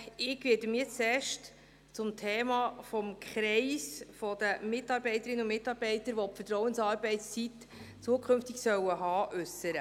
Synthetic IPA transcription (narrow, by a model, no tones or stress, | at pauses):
ɪɡ̥ʋɪːdəmiːt͡sɛːʃt | t͡sʊmtʰɛːmɑːfɔmkʰχɾɛɪsfɔd̪əmɪtɑɾbɛɪtəɾɪnəʊmɪtːɑɾb̥ɛɪtəɾʋɔpfətrɔʊwənsɑːɾbɛɪst͡sit | t͡suəkʰɵnftiksœwəɦɑːʔʉsəɾə